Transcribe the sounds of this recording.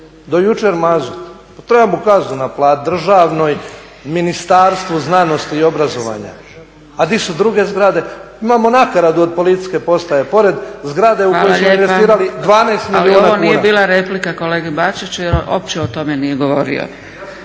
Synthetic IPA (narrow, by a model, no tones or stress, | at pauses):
d̪o̞jut͡ʃeɾmazut̪ | at̪ɾebamokaznunaplˠad̪d̪r̩ʒaʋno̞j | minist̪aɾst̪ʋuznano̞st̪iːo̞bɾazo̞ʋa̰ɲa̰ | ad̪isud̪ɾuɡe̞zɡɾad̪e̞ | imamo̞nakaɾad̪uod̪̚po̞lit̪i̥sʲke̞po̞st̪ajepo̞ɾe̞d̪zɡɾad̪e̞ukaojoaslmoienʋesiːɾalid̪ʋaːneːst̪milaliuːonaonijebiːlˠaɾeplikako̞leːɡibat͡ʃit͡ɕujeɾo̰p̚t͡ɕeot̪o̞menijeɡo̞ʋo̞ɾḭo̰